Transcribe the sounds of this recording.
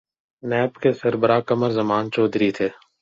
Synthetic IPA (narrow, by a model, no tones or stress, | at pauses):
nɛːbkesəɾbəɾakəməɾzɐmaːnt͡ʃoːd̪ɾit̪ʰeː